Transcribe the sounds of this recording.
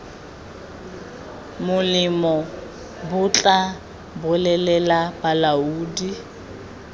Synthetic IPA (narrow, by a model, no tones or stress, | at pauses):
mʊlɪmɔ | bʊt͡ɬʼa | bʊlɛlɛlapalauːdi